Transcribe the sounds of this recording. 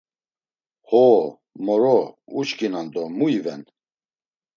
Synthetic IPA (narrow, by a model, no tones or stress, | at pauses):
hɔ | mɔɾɔut͡ʃkʼinand̪ɔmuivɛn